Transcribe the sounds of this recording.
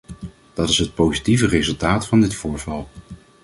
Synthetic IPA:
d̥ɑtɪ̥sɦət̚powzitivərejzɵlˠtaːtfɑndɪtfʊːɹvɑlˠ

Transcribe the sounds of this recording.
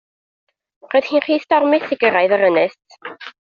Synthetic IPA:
roːɨð̥hiːnriːstɔrmɪθɪɡəɾajðəɾənɨs

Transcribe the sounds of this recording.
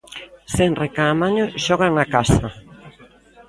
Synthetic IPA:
senrekaːmaɲoʃɔɣ̞aŋnakasa

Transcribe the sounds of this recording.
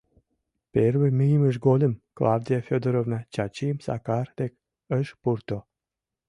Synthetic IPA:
peɾvemɨimɨʃ̬ɡolʲəmklaɾd̪ʲijafʲod̪oɾovnat͡ʃat͡ɕimsa̰kard̪ek̚ | əʃpuɾt̪o

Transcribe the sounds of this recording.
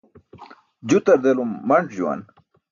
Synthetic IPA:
d͡ʑut̪ɐɾd̪elumːɐɳʈ͡ʂd͡ʑuwɐ̰n

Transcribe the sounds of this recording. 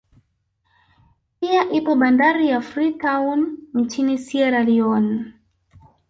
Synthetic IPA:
piaʔipɔɓandaɾijafɾitaunɲ̩t͡ʃinisiɛɾaliɔn

